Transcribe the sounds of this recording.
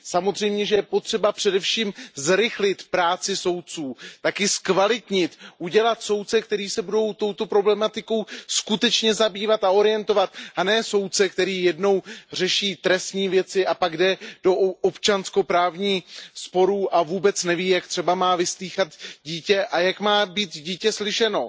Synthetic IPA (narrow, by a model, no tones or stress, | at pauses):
samozr̝ɛjmɲɛʒɛjɛpo̞t̪r̥ɛbapr̝̥ɛdɛfʃiːmzɾɪxlɪt̪pɾaːt͡sɪso̞wt̪̚t͡suːt̪akɪskvalɪt̪ɲɪt̪ʔuɟɛlat̪so̞wt̪t͡sɛk̚t̪ɛɾiːsɛbudo̞wt̪o̞wt̪o̞pɾo̞blɛmat̪ɪko̞wskut̪ɛt͡ʃɲɛzabiːvat̪ao̞ɾɪjɛnt̪o̞vat̪ʔanɛːso̞wt̪̚t͡sɛk̚t̪ɛɾiːjɛdno̞wr̝ɛʃiːt̪ɾɛst̪ɲiːvjɛt͡sɪʔapaɡdɛdo̞opt͡ʃansko̞pɾaːvɲiːspo̞ɾuʔavuːbɛt͡snɛviːjak̚t̪r̝̥ɛbamaːvɪsliːxat̪ɟiːcɛʔajakmaːbiːt̪ɟiːcɛslɪʃɛno̞